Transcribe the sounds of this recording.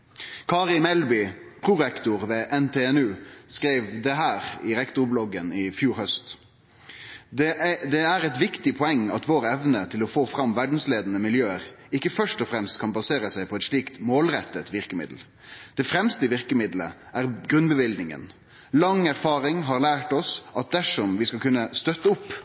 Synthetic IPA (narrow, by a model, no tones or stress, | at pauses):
kʰɑːʁɪmɛlbɪpʰɾʊʁɛkt̪ʊʁʋɛːʔɛnt̪ʰeːɛnʉːskɾeɪʋd̪ɛɦæːʁɪʁɛkt̪ʊɾblɔɡənɪfjuːɾhœst̪ | d̪ɛd̪ɛæʁɛt̪ʋɪkt̪ɪpʰɔɛŋːɑt̪ʋoːɾɛʋnət̪ʰɪlɔfoːfɾɑmʋæɖn̩sleːd̪nəmɪljøːəʁɪkːəfœʂʈɔfɾɛmst̪kʰɑnbɑseːɾəsæɪpʰɔɛt̪ʂɭiːkt̪moːlʁɛt̪ːət̪ʋɪʁkəmɪ̰d̪l̩ | d̪̥ɛfɾɛmst̪əʋɪʁkəmɪd̪lə̰ʔæɾɡɾʉnbəʋɪld̪nɪŋə̰n | lɑŋæɾfɑːɾɪŋɦɑʁlæːʈɔsɑt̪̚d̪æʂɔmʋɪskɑlkʉnːəst̪œt̪ːəʊpː